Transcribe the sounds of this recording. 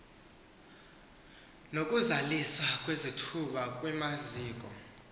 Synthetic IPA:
nokʼuzaliswak̬ʼwezitʰuɓakʼwɛmaziːk̬ʼɔ̰

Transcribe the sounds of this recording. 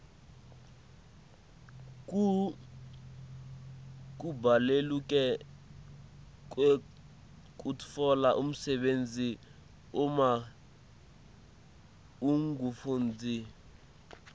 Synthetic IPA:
k̬ʼu | k̬ʼubalelukʼɛ | k̬ʼwe | kʼutfɔlaʔum̩sɛɓend͡zʱi | uma | uŋɡufuːnd͡zʱi

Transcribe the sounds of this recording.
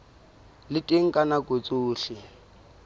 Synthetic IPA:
lɪtʼɪŋ̩kʼanakot͡sʼuːɬɪ

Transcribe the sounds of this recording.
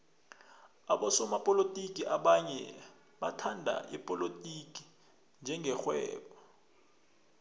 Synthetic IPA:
aɓɔsɔmapʼolotʼikʼiʔaɓaɲɛ | ɓatʰandʱa̰ʔɛpʼɔlotʼikʼi̥ | nd͡ʒʱɛŋɡʱɛxwɛ̰ːɓɔ

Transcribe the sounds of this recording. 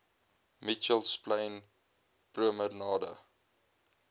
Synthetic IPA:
mit͡ʃəlspləjn | pruəmərnɑːdə̰

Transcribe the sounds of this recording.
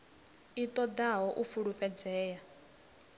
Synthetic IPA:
it̪ʼɔd̪aɦɔʔufuɺuɸɛd͡zɛːja

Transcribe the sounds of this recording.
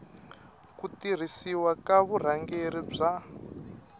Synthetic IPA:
kutir̤isiwakaβur̤aŋɡeɾib͡ʐa

